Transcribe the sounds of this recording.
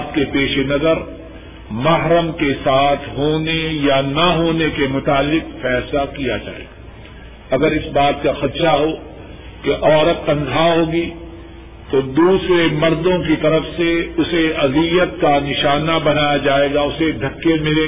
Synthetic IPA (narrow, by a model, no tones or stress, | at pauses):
t̪̚kepeːʃenɐzəɾ | mɐɦɾəmkesaːt̪ʰɦoːnejanaɦoːnekemʊt̪aːlːɪqfɛːslakija̰d͡ʒa̰ːḛːɡaː | ɐɡəɾɪsbaːt̪kaxɐt̪ʃaɦo | keʔɔːɾət̪̚ːɐ̃nzʱaːɦoːɡi | t̪od̪uːsɾemɐɾd̪õkit̪ɐɾəfseʊseɐzijət̪̚kanɪʃaːnabɐnaːjad͡ʒaːeːɡaʊsed̪ʱɐkːemɪleː